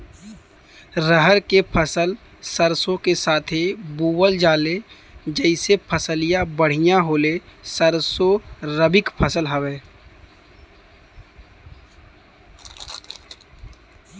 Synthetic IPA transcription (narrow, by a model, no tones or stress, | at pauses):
ɾəɦəɾkepʰəsəl | səɾsõkesaːt̪ʰibuːwəld͡ʒaːle | d͡ʒɛɪsepʰəsəlijabəɽ̤ɪjaɦoːlesəɾsoɾəbɪkpʰəsəlɦəʋeː